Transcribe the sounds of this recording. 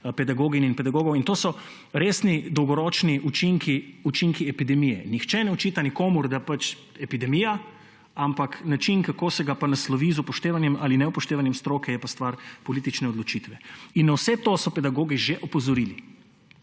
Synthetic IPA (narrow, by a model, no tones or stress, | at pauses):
pɛd̪aɡoːɡininpɛd̪aɡoːɡɔwint̪oːsɔ | ɾeːsnid̪ɔwɡɔɾɔːt͡ʃniut͡ʃiŋkiut͡ʃiŋkiɛpid̪ɛmijɛ̰nixt͡ʃɛnɛɔt͡ʃiːt̪anikoːmuɾd̪apat͡ʃ | ɛpid̪ɛmiːja | ampaknat͡ʃinkakoːsɛɡapanaslɔʋiːzupɔʃt̪eːʋanjɛmalinɛupɔʃt̪eːʋanjɛmst̪ɾoːkɛjɛpast̪ʋaɾpɔliːt̪it͡ʃnɛɔd̪lɔt͡ʃit̪ʋɛinːawsɛt̪oːsɔpɛd̪aɡoːɡiʒeʔɔpɔzɔɾili